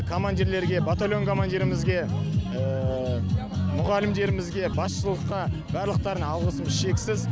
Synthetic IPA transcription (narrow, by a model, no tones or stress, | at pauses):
kʰomand̪ʲiɾle̞ɾɡʲe̞bat̪olʲjo̞ŋkʰo̞mand̪ʲiɾɪmɪzɡʲe̞ə | mʊʁɑlɪmd̪e̞ɾɪmɪzɡʲe̞bɑsʃəlˠəqːɑbæɾlˠəq̚t̪ɑɾənɑlˠʁəsəməzʃe̞ksɪz